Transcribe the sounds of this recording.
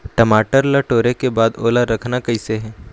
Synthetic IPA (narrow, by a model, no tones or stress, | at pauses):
ʈɐmaːʈəɾlɐʈoːɾekebaːd̪o̰ːlaɾɐkʰnakɐɪseɦɛː